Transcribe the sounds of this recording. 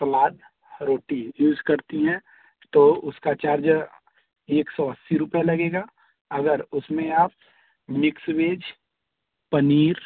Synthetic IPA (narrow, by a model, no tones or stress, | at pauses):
pəlaːɖ | ɾoːʈijuːzkɐɾt̪iɦɛ̃ | t̪oːʊskat͡ʃaːɾd͡ʒ | eːksɔɐsːiɾʊpjalɐɡeːɡaː | ɐɡəɾʊsmẽaːp̚ | mɪksbeːd͡ʒ | pɐniːɾ